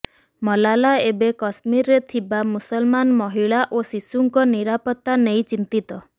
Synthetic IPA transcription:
mɔlalaebekɔsmiɾɾet̪ʰibamusɔlmanmɔɦiɭaʔosisuŋkɔniɾapɔt̪ːanejt͡ʃint̪it̪ɔ

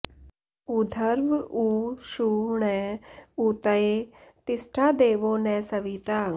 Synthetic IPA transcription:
ud̪ʱɐɾʋuːʃuːɳɛ̃ut̪ɐet̪ɪsʈʰaːd̪eːʋoːnɛːsɐʋiːt̪aːŋ

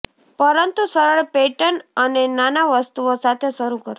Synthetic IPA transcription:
pəɾənt̪usəɾəɭpeʈənənenanaʋəst̪uosat̪ʰeʃəɾukəɾ

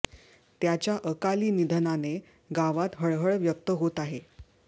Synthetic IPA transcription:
t̪jat͡ɕjaʔəkaliːnid̪ʱənane | ɡaʋat̪ɦəɭɦəɭʋjək̚t̪əɦot̪aɦe

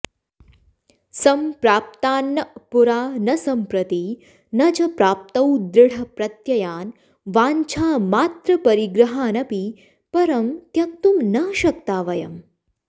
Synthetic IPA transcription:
sɐmpɾaːp̚t̪aːnːɐpuɾaːnɐsɐmpɾɐt̪i | nɐd͡ʒɐpɾaːp̚t̪ɐwd̪ɾɪɽ̤ɐpɾɐt̪jɐjaːn | ʋaːɲt͡ʃʰaːmaːt̪ɾɐpɐɾiɡɾɐɦaːnɐpi | pɐɾɐmt̪jɐk̚t̪umnɐʃɐk̚t̪aːʋɐjɐ̰m

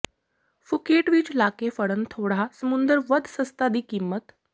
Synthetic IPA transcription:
fukeʈʋiːt͡ɕlakefəɽənt̪ʰoɽ̤asəmund̪əɾʋəd̪ʱsəst̪ad̪iːkimːət̪

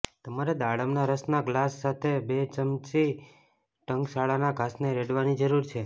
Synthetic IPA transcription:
t̪əmaɾed̪aɽəmnaɾəsnaɡlasːat̪ʰebet͡ʃəmt͡ʃi | ʈəŋɡsaɭanaɡʱasneɾeɽʋanid͡ʒəɾuɾt͡ʃʰe

